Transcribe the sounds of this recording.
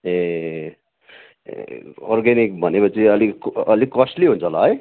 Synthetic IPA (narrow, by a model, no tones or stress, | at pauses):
e | ɔɾɡenik̚bʱʌnekot͡sʰiʌlikʌlikʌsʈliɦũnt͡sʰʌlaɦʌj